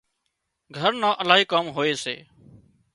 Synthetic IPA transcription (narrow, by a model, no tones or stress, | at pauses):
ɡʱəɾnãːʔəlaːɦiːkəmɦoːeːsḛː